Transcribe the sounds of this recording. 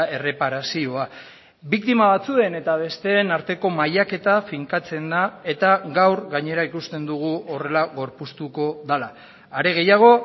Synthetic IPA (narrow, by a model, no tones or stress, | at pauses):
e̞re̞paɾasio̞a | bik̚t̪imaβat͡sue̞ne̞t̪aβ̞e̞st̪e̞ːnaɾt̪e̞ko̞majake̞t̪afiŋkat͡se̞nd̪ae̞t̪aɡawɾɣaɲe̞ɾaikust̪e̞nd̪uɣ̞uo̞re̞laɣo̞ɾpust̪uko̞ðalaː | ɾe̞ɣ̞e̞jaɣ̞o̞